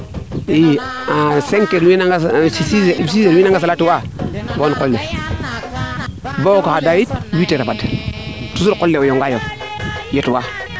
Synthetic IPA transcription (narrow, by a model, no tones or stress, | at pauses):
ij | aseŋkeɾwinaɡasisisiseɾwinaŋɡas̬alatiwawonkolːe | bokahadajit̚witeɾapadtusuɾkolːeojoŋɡajo | jetwa